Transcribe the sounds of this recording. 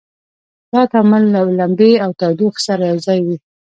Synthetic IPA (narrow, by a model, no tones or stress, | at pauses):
d̪̥ɑt̪amalːalambeawt̪ad̪uxsaɾajawzɑjwi